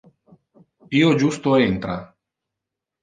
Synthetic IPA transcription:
piːod͡ʒust̪oent̪ɾa̰

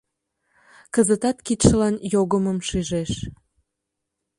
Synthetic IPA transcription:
kəzət̪ɑt̪kit̪ʃəlɑnjoɣəməmʃyʒeʃ

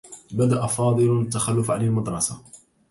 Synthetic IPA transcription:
bad̪aʔafɑːd̪ˤɨlt̪ːaxalːʊfʕanalmɑd̪ɾˤɑsa

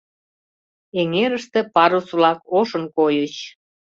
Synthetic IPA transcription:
eŋeɾəʃt̪ĕpɑɾusβlɑkoʃənkojət͡ɕ

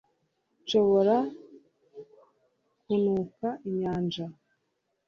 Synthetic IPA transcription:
t͡ʃo̞βo̞ɾa | kunukaʔiɲaːnd͡ʒa

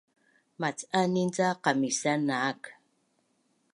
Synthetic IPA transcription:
mat͡sanind͡zaqamisanak

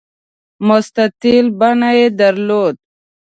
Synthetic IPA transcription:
mʊst̪at̪ilbanaed̪əɾloːd̪̚

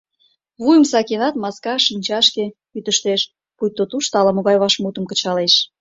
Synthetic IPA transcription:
βujəmsɑkenɑt̪mɑskɑʃinʲt͡ɕɑʃke | yt̪əʃt̪eʃ | pujt̪ːot̪uʃt̪ɑlɑmoɣɑjβɑʃmut̪əmkə̥̆t͡ɕɑleʃ

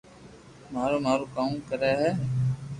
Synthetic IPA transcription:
maːɾoːmaːɾoːkaːmkəɾɛːɦɛː

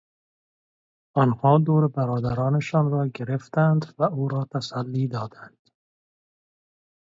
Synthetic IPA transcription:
ɒnhɒːd̪oːɾebæɾɒːd̪æɾɒːneʃɒːnɾɒːɡeɾeft̪ænd̪væuːɾɒːt̪ʰæsælːiːd̪ɒːd̪ænd̪̥

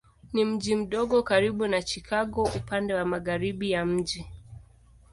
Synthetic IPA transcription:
nim̩ʄim̩ɗɔɠɔkaɾiɓunat͡ʃikʰaɠɔʔupandɛwamaɣaɾiɓijam̩ʄi

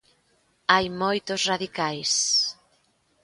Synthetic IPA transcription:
ajmojt̪ʊsraðikajs

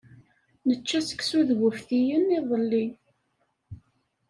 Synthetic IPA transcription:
nət͡ʃːæsə̥ksuðwəfθijəniðˤəlːi

